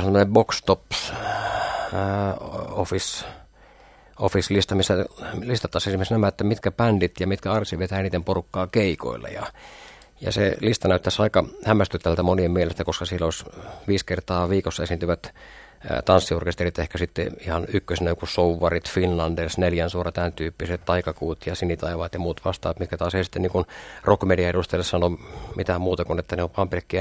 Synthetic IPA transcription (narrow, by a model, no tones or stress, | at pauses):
semːonebokst̪op | ofis | ofislist̪ɑmisːælist̪ɑt̪ːˑɑsesimesnæmæet̪ːæmit̪kæpændit̪jɑmit̪kæɑrsiʋet̪æːniːt̪ːemporukːɑːkeiko̰ḭlːḛjɑ̰ | jɑ̰selist̪ɑnæˑyt̪ːæsɑikɑhæmːˑæst̪yt̪ːæʋælt̪æmoniemielest̪ækoskɑsielːoˑisʋiːskert̪ɑːʋiːkosːɑesint̪yʋæt̪ | t̪ɑnsːiorkest̪erit̪ehkæsit̪ːḛihɑnykːøsnookussouʋːɑrit̪finlɑndesneljænsuorɑt̪ænt̪yːpːiset̪t̪ɑikɑkuːt̪jɑsinit̪ɑiʋɑːt̪jɑmuːt̪ʋɑst̪ɑ̰ːɑt̪mit̪kæt̪ɑːsheisi̥t̪ːeniŋkunrokmediɑeɾust̪ɑeilːessɑnomit̪æmuːt̪ɑkunet̪ːæneoʋʋɑːmpilekːiæ